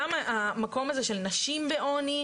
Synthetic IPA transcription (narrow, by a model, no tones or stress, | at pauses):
amaamako̞mazeʃe̞lnaʃimveʔo̞ni